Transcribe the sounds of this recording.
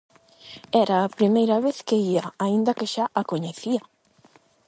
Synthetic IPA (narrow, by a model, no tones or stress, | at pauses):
ɛɾaːpɾimejɾɐβeθkeiaaind̪ɐkeʃaʔakoɲeθiɐ